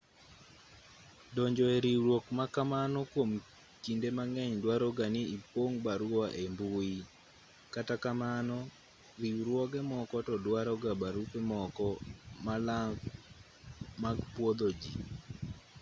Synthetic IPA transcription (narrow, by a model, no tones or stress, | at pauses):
dɔɲd͡ʒɔeɾiwɾwokmakamanɔkwom | t͡ʃindemaŋɛɲdwaɾɔɡanɪipoŋbaɾwɔwaʔembui | katakamanɔ | ɾiwɾwɔɡɛmɔkɔtɔdwaɾɔɡabaɾupɛmɔkɔmalaŋɡ | maɡpwod̪od͡ʒi